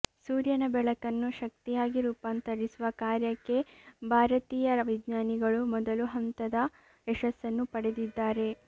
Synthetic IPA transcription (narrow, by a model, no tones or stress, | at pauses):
suːɾjɐnɐbɛɭɐkɐnːuʃɐk̚t̪ijaːɡiɾuːpaːnt̪ɐɾisuʋɐkaːɾjɐkːe̞bʱaːɾɐt̪iːjɐʋid̪ɲaːniɡɐɭumɔd̪ɐluɦɐnt̪ɐd̪ɐ | ɛʃɐsːɐnːupɐɽe̞d̪id̪ːaːɾe̞